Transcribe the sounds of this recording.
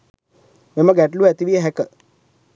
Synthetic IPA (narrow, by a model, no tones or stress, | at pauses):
meməɡæʈluæt̪iʋijəɦɛkə